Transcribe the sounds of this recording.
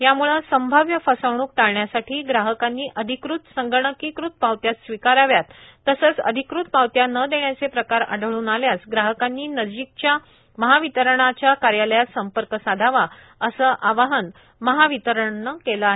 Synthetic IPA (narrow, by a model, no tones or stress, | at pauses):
jamuɭəsəmbʱəʋjəfəsəʋɳuːk̚t̪aɭɳjasaʈʰiːɡɾaɦəkanːiːʔəd̪ʱikɾut̪səŋɡəɳəkikɾut̪̚paʋt̪jat͡ssʋikaɾaʋjat̪ː | əsəːt͡sə̰d̪ʱikɾut̪̚pawt̪janəd̪eɳjat͡sepɾəkaɾa̰ɖʱəɭuːnaljat͡sɡɾaɦəkanːiːnəd͡ʑik̚t͡ɕja | məɦaʋit̪əɾəɳ̃at͡ɕjakaɾjaləjasəmpəɾkəsad̪ʱaʋa | əsəʔaʋaɦən | məɦaʋit̪əɾəɳːəkelaɦe